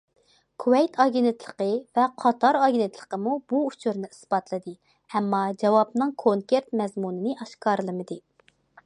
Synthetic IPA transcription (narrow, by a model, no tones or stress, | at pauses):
kʰuwɛjt̪ʰɑɡʲenɪt̪ʰlˠəqəvɛqʰɑt̪ʰɑɾɑɡʲenɪt̪ʰlˠə̥qəmubuut͡ʃʰuɾnɪisb̥ɑt̪lˠɨd̪ɨ | ɛmːɑd͡ʒɛwɑbnɨŋkʰoŋkʲeɾt̪mɛzmunɨnɨʔɑʃkɑːɾɨlˠɨmɨd̪ɨ